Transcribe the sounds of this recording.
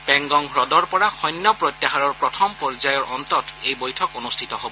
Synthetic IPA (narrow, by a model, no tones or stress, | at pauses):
pɛŋɡɔŋɹɔdɔɹpɔɹaxɔjnːɔpɹojt̪jaɦaɹɔɹpɹɔtʰɔmpɔɹzajɔɹʔɔntɔtejbojtʰɔkonustʰitɔɦobɔ